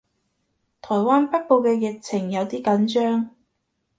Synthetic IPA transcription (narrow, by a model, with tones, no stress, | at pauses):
t̪ʰɔː˨˩jwaː˥npɐ˥t̚po˨˧wkɛː˧jɪ˨k̚t͡sʰɪ˨˩ŋjɐ˨˧wt̪iː˥kɐ˨˥nt͡ʃœː˥ŋ